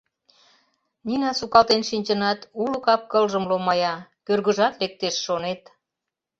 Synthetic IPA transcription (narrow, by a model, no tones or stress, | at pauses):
ninɑsukɑlt̪enʃinʲt͡ɕənɑt̪ulukɑp̚kəlʒə̆mlomɑjɑkørɣə̆ʒɑt̪lek̚t̪eʃːonet̪